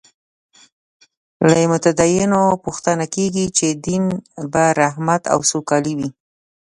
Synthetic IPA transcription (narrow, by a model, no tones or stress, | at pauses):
lajemʊt̪ad̪ɑjɪnopuxt̪anakeɡit͡ʃed̪inbaɾaɦmat̪a̰wsokɑliwi